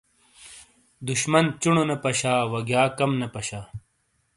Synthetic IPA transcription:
d̪uɕmɐnt͡ɕuɳonɐpɐɕaːwɐɡjaːkɐmnɐpɐɕaː

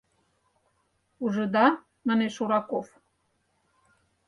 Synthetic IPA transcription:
uʒɤ̆d̪ɑ | maneʃuɾɑkof

